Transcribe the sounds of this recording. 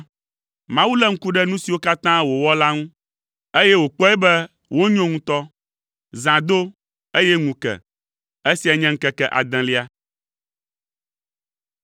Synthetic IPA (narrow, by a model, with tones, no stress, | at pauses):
mã˦wu˦lɛ˦ŋ̩˦ku˦ɖɛ˦nũ˦si˨wo˦ka˦t̪ã˦wo˨wɔ˦la˦ŋũ˦ | e˦jɛ˦wo˨k͡pɔ˦ɛ˦bɛ˦ | wo˦ɲɔ̃˦ŋũ˦t̪ɔ˦ | zã˨d̪o˦ | e˦jɛ˦ŋũ˨kɛ̰˨ | e˦si˨a˨ɲɛ̃˦ŋ̩˦kɛ˦kɛ˦ʔa̰˨d̪ɛ̃˨li˦a˦